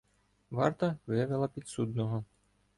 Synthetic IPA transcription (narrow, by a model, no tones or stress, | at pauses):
ʋɑ̰rt̪ɐʋɪʋɛlˠɐpʲit̪sud̪nɔɦɔ